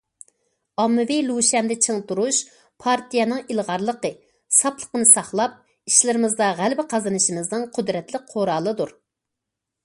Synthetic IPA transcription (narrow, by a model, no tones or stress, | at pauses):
ɑmːɪviluʃɛmd̪ɛt͡ʃʰeŋt̪uɾuʃ | pʰɑɾt̪ʰijɛnɨŋilˠʁɑɾlˠəqə | sɑplˠə̥qənɨsɑχlˠɑp̚ | iʃlɪɾɪmɨzd̪ɑʁælbɪqʰɑzɨnɨʃimɨznɨŋqʰʊd̪ɾɛt̪lɪk̚ʲqʰoɾɑːlˠɨd̪uɾ